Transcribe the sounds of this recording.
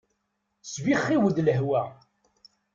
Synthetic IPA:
sviχːiwəd̪ləɦwæ

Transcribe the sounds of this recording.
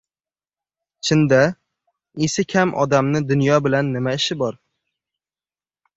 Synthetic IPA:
t͡ʃʰɪnd̪a | esɪkʲʰamʔɒ̰d̪amnɪd̪ʊnjɒbɪlanːɪmaɪʃɪbɒɾ

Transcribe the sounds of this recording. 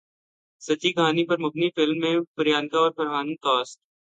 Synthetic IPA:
sɐt͡ʃikaːnipɐɾmʊbnifɪlmːẽpɐɾjaːnkaɔːɾpɐɾɦaːnik̪ɔːsʈ

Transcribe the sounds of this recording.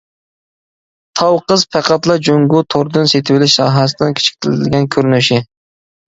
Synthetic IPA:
t̪ʰɑwqəzpʰæqɑt̪lˠɑd͡ʒoŋɡut̪ʰoɾd̪ɨnset̪ʰɪwɪlɪʃsɑːɦɑs̬ɨd̪ɪnkʲe̥t͡ʃʰi̥kʲt̪ʰɪlɪt̪ʰɪlɡʲɛnkʲʰøɾnyʃɪ

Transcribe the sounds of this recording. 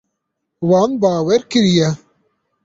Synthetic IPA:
wɑːnbaːwɛɾkɨɾijɛ

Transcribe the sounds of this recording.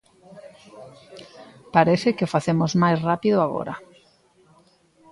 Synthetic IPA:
paɾeθɪkɪʊfaθemʊzmajsrapiðʊaɣɔ̰ɾɐ

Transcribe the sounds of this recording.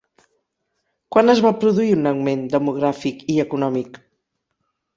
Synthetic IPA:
kwanəzβapɾuðuiunəɣmend̪əmuɣ̞ɾafikiəkunɔmik

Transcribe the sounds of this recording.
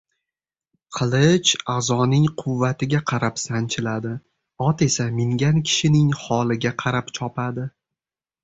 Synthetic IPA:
qʰɨlˠɪt͡ʃazɒnɪŋqʰʊvːat̪ɪɡʲaqʰɑɾapsant͡ʃʰɪlad̪ɪ | ɒt̪e̞samɪŋɡʲankʲʰɪ̥ʃɪnɪŋhɒlˠɪɡʲaqʰɑɾapt͡ʃʰɒpad̪ɪ

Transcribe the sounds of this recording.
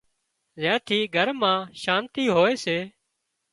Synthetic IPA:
zɛ̃ːt̪ʰiːɡʱəɾmãːʃaːnt̪iːɦoːeːseː

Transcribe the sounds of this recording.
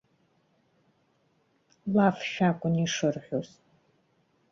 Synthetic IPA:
laːfʃaːkʷʼʊniːʂɐrħʷos

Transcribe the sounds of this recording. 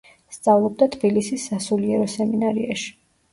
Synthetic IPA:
st̪sʼavlˠɔb̚d̪at̪ʰbilisisːasuliɛɾɔsɛminaɾiaʃi̥

